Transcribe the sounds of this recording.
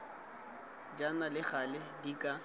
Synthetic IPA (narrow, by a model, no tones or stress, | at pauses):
d͡ʒanalɪχalɪdikʼa